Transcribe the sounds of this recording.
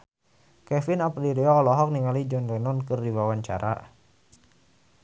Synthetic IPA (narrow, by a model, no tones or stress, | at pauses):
kɛfɪnapdiɾiɔlɔɦɔk̚niŋalid͡ʒɔndɔnɔnkɨrdiwawaɲt͡ʃa̰ɾʔa̰